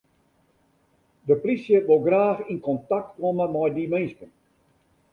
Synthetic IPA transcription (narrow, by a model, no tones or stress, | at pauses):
dəprisjəʋolˠɡraːxinkɔntak̚tkoməmɔjdimenskən